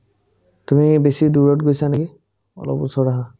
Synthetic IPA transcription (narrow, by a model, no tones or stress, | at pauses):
tumibesiduɹɔtɡojsaneɡi | ɔ̰lɔ̰pusɔɹaɦa